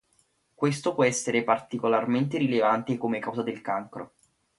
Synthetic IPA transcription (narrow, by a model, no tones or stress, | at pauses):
kwest̪opwɔɛsːeɾepart̪ikolarment̪eɾilevant̪ekomekawzad̪elkaŋkɾo̰